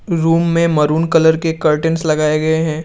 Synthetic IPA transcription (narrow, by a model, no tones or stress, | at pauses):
ɾuːmːẽmɐɾuːnkɐləɾkekɐɾʈə̃nslɐɡaːeɡɐeɦɛ̃ː